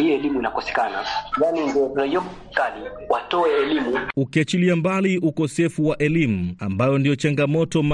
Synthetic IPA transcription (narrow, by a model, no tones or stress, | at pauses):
iɔɛlimuinakɔsɛ̥kanajanindiɔɾaiɔm | kaliwatɔɛːlimuukiat͡ʃiliambaliʔukɔsɛfuwaʔɛlimuambajɔndijɔt͡ʃaŋɡamɔtɔm